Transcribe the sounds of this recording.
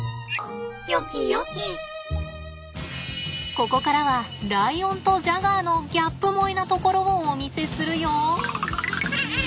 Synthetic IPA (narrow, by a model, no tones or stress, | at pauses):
jokʲijokʲi | ko̞ko̞kaɾaβaɾaiõ̞nt̪o̞ʑaɡaːno̞ɡʲapːɯ̟mo̞inat̪o̞ko̞ɾo̞oːmʲise̞sɨɾɯ̟joː